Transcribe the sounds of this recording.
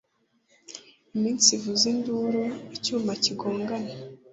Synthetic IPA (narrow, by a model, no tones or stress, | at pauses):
imiːnsivuzinduɾuicuːmaciɡoːŋɡana